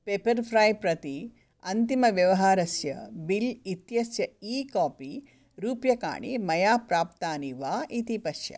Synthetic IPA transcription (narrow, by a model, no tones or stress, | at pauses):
peːpɐɾpʰɾaːjpɾɐt̪i | ɐnt̪imɐʋjɐʋɐɦaːɾɐsjɐbilit̪jɐsjɐiːkaːpi | ɾuːpjɐka̰ːɳḭmɐjaːpɾaːpt̪aːniʋaːʔit̪ipɐʃjɐ̰